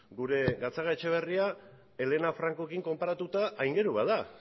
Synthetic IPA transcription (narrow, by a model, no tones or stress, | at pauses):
ɡuɾe̞ɡat͡saɣaet͡ʃe̞β̞e̞ria | e̞le̞nafɾaŋko̞kiŋko̞mpaɾat̪ut̪aʔːjŋɡe̞ɾuβaða